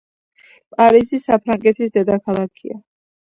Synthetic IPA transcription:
pʼaɾizisapʰɾaŋɡɛt̪ʰisd̪ɛd̪akʰalˠakʰia

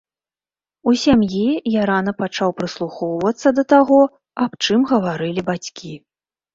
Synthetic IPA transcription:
usʲamjijaɾanɐpat͡ʂawpɾɨslˠuxɔwvɐt̪sːɐd̪ɐt̪aɣɔ | apt͡ʂɨmɣɐvaɾɨlʲibat͡sʲkʲʰi

